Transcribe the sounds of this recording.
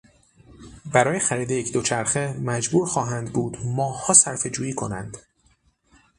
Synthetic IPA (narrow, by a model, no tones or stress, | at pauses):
bæɾɒːje̞xæɾiːd̪ejecʰd̪o̞t͡ʃʰæɾxe̞mæd͡ʒbuːɾxɒːɦænd̪buːd̪mɒːhɒːsæɾfe̞d͡ʒuːjiːkʰo̞̰næ̰nd̪̥